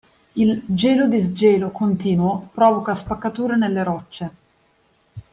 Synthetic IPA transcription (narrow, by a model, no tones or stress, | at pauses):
ild͡ʒɛːlod̪izd͡ʒɛːlokont̪iːnwopɾɔːvokaspakːat̪uːɾenelːeɾɔt͡ʃːe